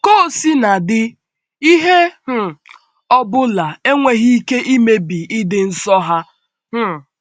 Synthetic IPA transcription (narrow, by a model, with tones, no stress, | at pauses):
ko˦˨si˦na˨dɪ˦ | i˦ɦe˦h̩˦˨ | ɔ˦bʊ˦la˨e˦ŋʷe˨ɦi˦i˦ke˦ʔi˦me˦bi˨ɪ˦dɪ˨n̩˨sɔ˦ɦa˦ | m̩˦